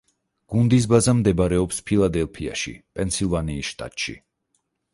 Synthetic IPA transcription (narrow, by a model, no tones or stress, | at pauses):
ɡ̥und̪is̬bazamd̪ɛbɾɛɔpspʰilˠad̪ɛlˠpʰia̰ʃḭpʼɛnsʰilˠvaniːsʃt̪ʼa̰t̪ʼʃḭ